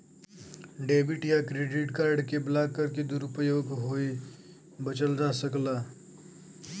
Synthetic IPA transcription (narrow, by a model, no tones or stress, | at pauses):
ɖeːbɪʈjakɾeːɖɪʈkaːɾɖkeblaːkːəɾked̪uɾʊpəjoːɡɦoi | bət͡ʃəld͡ʒasəklaː